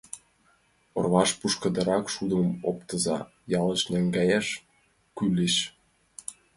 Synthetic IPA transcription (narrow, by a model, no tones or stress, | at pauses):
o̰rβɑʃpuʃkə̆d̪ə̆ɾɑkʃud̪əmopt̪əzɑ̰ | jɑləʃnæŋɡæjæʃ | kyleʃ